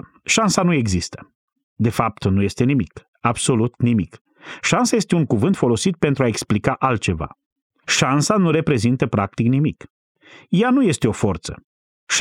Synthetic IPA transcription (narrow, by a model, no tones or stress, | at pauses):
ʃansanue̞ɡzist̪ə̥ | d̪e̞fap̚t̪nuje̞st̪e̞nimik | abso̞lut̪nimik | ʃansaje̞st̪e̞uŋkuvɨnt̪fo̞lo̞sit̪̚pe̞nt̪ɾuae̞ksplikaʔalt̪̚t͡ʃe̞va̰ | ʃansanuɾe̞pɾe̞zint̪əpɾak̚t̪iknimik | januje̞st̪e̞o̞fort̪sə̰ | ʃ